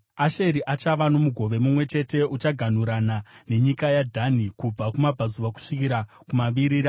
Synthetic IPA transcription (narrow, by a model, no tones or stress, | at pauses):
aʃe̞ɾiʔat͡ʃaʋano̞muɡʱo̞ʋe̞mumwe̞t͡ʃe̞te̞ut͡ʃaɡʱan̤uɾanane̞ɲikajadʱanikub͡vakumabʱazuʋaku̥ʂikiɾa | kumaʋiɾiːɾa